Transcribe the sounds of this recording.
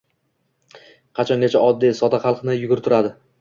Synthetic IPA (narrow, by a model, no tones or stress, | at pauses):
qʰɑt͡ʃʰɒnd̪ʲet͡ʃʰaɒd̪ːijsɒt̪aχɑlˠqnɪjʊɡʲʊɾɪt̪ʰʊɾad̪ɪ